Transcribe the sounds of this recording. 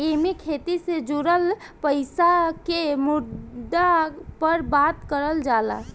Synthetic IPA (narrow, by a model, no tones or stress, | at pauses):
emekʰet̪ised͡ʒuɾəl | pəɪsakemud̪apəɾbat̪kəɾəld͡ʒala̰